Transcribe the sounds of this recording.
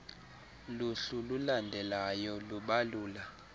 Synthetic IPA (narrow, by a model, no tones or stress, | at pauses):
luɬululandʱɛlajɔluɓaluːla